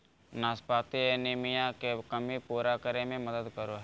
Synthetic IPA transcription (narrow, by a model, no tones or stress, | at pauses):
naːspaːt̪ienɪːmɪjãkekəmipuːɾakəɾemẽməd̪əd̪kəɾoɦɛ